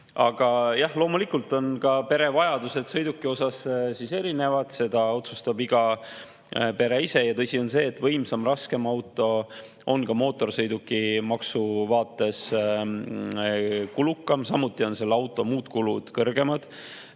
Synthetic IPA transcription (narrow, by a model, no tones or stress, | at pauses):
ɑɡ̥ɑjɑhlo̞ːmulikult̪ːˑo̞nkɑpe̞ɾe̞vɑjɑd̪̥use̞d̪̥sɤjd̪ukːˑio̞sɑssise̞ɾine̞vɑd̪̥se̞d̪̥ɑo̞t̪sust̪ɑbiɡ̥ɑ | pe̞ɾe̞ise̞jɑt̪ɤ̞sʲio̞nse̞ːt̪ːvɤjmsɑmrɑske̞mɑwt̪ːˑo̞ | ʔo̞nkɑmo̞ːt̪ːˑo̞rsɤjd̪ukːˑimɑksuvɑːt̪ˑːe̞s | kulukːˑɑmsɑmut̪ːˑio̞nse̞lːɑwt̪ːˑo̞muːd̪̥kulud̪̥kɤrɡe̞mɑd̪̥